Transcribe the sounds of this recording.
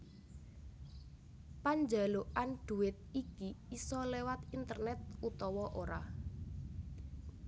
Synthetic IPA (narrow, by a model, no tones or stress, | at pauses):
paɲd͡ʒaloʔanɖ̪̥ṳwɪt̪̚ikiisɔlewat̪int̪ərnɛt̪̚ut̪ɔwɔʔoɾa̰